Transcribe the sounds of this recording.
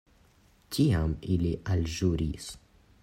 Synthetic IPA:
ciamiliʔalʒuɾis

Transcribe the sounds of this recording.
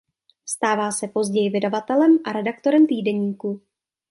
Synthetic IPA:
st̪aːvaːsɛpo̞zɟɛjɪvɪdavat̪ɛlɛmʔaɾɛdakt̪o̞ɾɛmt̪iːdɛɲiːku

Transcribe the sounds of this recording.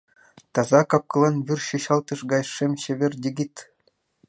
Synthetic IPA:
t̪ɑzɑkɑp̚kɤ̆lˠɑnʋʲyrɕŭɕɑlˠt̪ɤ̆ʂɡɑjʂemʲɕɘ̆ʋʲĕrʲdʲĕɡʲit̪ʲ

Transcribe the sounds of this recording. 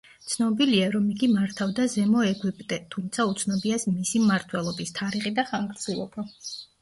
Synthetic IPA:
t̪sʰnɔbiliaɾɔmiɡimaɾt̪ʰavd̪azɛmɔɛɡwipʼt̪ʼɛt̪ʰumt̪sʰaut̪sʰnɔbiasmisimːaɾt̪ʰwɛlˠɔbist̪ʰaɾiχid̪aχaŋɡɾd̪sʰilˠɔ̰b̥a

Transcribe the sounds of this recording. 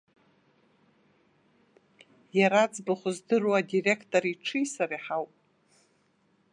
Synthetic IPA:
jaɾad͡zbaχʷʊzdɨrwadire̞kʰtʼoɾiʈ͡ʂʰɨjsaɾiħawpʼ

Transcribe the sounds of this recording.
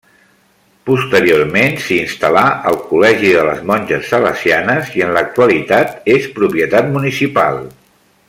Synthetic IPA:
pust̪əɾioɾmensiːnst̪əlaʔəlˠkulɛʒiðələzmɔnʲʒəsːələ̰sianəziənlək̚t̪uəlit̪at̪espɾupiət̪at̪munisipa̰lˠ

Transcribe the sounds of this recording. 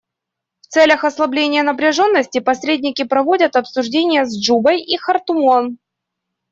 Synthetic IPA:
ft̪sɛlʲəxɐslˠɐblʲenʲɪjənəpɾʲɪʐo̞nːəsʲtʲɪpɐsɾʲedʲnʲɪkʲɪpɾɐvo̞dʲət̪ɐpsʊʐdʲenʲɪjəzd͡ʐubəjixɐrt̪ʊmon

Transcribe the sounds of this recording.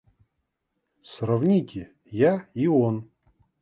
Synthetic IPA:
srɐvnʲitʲɪ | jaion

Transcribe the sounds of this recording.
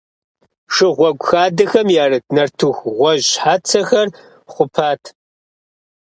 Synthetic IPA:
ʂɨʁʷɔɡʷxaːdɐxɐmjaːrɨdnɐrtʰuxʁʷɔʑħaːt͡sʰɐxɐr | χʷʊpʰaːtʰ

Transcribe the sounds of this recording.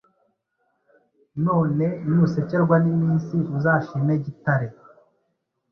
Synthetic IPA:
no̞ːne̞nuse̞ce̞ɾɡwanimiːnsiʔuzaːʃiːmeɟitaɾe

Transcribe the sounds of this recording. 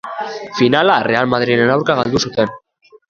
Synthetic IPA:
finalare̞almað̞ɾinenawɾkaɣald̪usut̪e̞n

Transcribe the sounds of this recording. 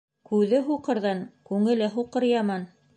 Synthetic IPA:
kʉðɘɦuqɤ̆ɾðɑnkʉŋɘ̆lɘɦuqɤ̆ɾjɑmɑn

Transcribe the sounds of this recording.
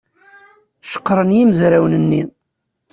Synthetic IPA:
ʃə̥qːɾˤənjiməzɾawnənːi

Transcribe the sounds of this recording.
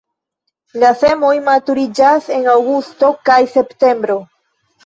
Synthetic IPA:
lase̞mo̞jmatuɾid͡ʒase̞nawɡusto̞kajse̞pte̞mbɾo̞

